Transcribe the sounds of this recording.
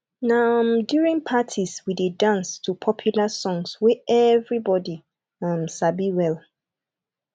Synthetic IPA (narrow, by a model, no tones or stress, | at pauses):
nãmdjuɹĩnpʰatʰiswidedãnstʰupʰɔpʰjulasɔ̃ŋswɛʔɛvɹibɔdi | ãnsabiwɛl